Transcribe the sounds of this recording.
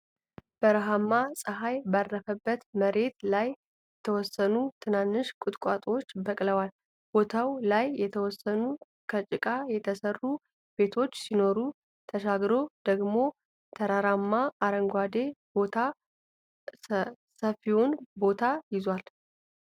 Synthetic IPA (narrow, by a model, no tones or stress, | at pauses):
b̥əɾɦamːasʼəɦajbarːəfəbːət̪məɾe̞t̪laj | jɛt̪ʰəwɔsːənut̪ʰɨnanːɨʃkʼʊt̪ʼkʼat̪ʼwot͡ʃːbəkʼləwal | b̥o̞t̪ʰawlajːɛt̪ʰəwɔsːənu | kʰət͡ʃʼɪkʼajɛt̪ʰəsərːu | b̥e̞t̪ʰo̞t͡ʃːsino̞ɾu | t̪ʰəʃaɡɾo̞d̪̥əɡmo̞ | t̪ʰəɾaɾamːaaɾəŋɡʷad̪e̞bo̞t̪ʰa | səfionbo̞t̪ʰajɪzwal